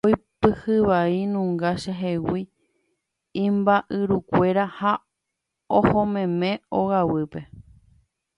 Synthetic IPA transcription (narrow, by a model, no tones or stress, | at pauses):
ojpɨhɨʋainũŋɡaʃeɦewi | ĩmbaʔɨɾukʷe̞ɾaha | ohõmẽ̞mẽ̞oɣawɨpe̞